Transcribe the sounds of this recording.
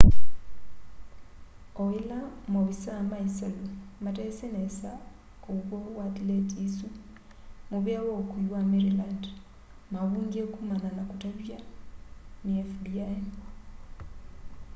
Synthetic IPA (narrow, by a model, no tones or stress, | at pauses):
ɔwelamoβisamaisalumatɛsenesa | koɣwɔwatiletisu | muβjawokuiwameɾiland | maβuːŋɡiekumananakutaβja | niɛfdiaen